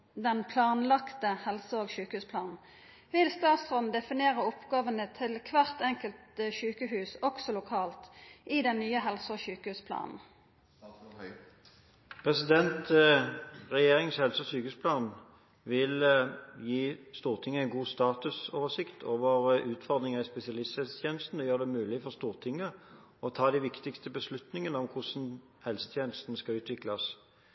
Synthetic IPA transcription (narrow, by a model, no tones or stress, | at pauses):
d̪ɛnpʰlɑːnlɑkt̪əhɛlsəoːɡʃʉːkəhʉːspʰlɑːnn̩ | ʋɪlst̪ɑːt̪sʁɔnd̪ɛfɪneːʁəʊpɡɑːʋənət̪ʰɪlkʰʋæʁt̪ɛŋkəlt̪əʃʉːkəhʉːsɔksɔlʊkʰɑːlt̪ʔiːd̪ɛnːyːəɦɛlsəoːʃʉːkəhʉːspʰlɑ̰ːnn̩ | pʰʁɛsɪd̪ɛnt̪ | ʁɛjeːʁɪŋshɛlsəɔsyːkəhʉːspʰlɑːn | ʋɪljiːst̪uːʁt̪ʰɪŋːəæɪnɡuːst̪ɑːt̪ʉsoːʋəʂɪkt̪ʰoːʋəʁʔʉːt̪fɔʁd̪ʁɪŋəʁɪspɛsɪɑlɪst̪ɛst̪ʰjeːnəst̪n̩ɔjøːʁd̪ɛmʉːlɪfɔʁst̪uːʁt̪ʰɪŋːə | ɔt̪ʰɑːd̪æʋɪkt̪ɪkst̪əbəslʉt̪nɪŋənəɔmkʰʊʂn̩ | hɛlsə̥t̪ʰjeːnəst̪n̩əskɑʉːt̪ʰʋɪklɑs